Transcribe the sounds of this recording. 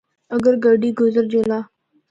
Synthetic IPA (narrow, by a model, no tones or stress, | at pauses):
əɡəɾɡəɖiːɡʊzəɾd͡ʒelaː